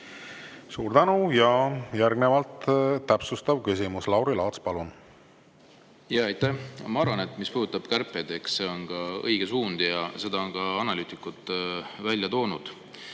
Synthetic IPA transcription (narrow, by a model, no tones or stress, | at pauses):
suːɾd̪ænujɑjæɾɡne̞vɑlt̪ːæpsust̪ɑvkys̬imuslɑwɾilɑːt̪spɑlun | jɑɑjt̪ːæhɑmɑɑɾvɑne̞t̪ˑmispuːhd̪ut̪ːˑɑb̥kærpːˑed̪e̞ksse̞onkɑɤ̰jɡ̥esuːnd̪jɑse̞d̪ɑonkɑɑnɑlyːt̪ikːut̪ːˑvælʲjɑt̪o̞ːnud̪̥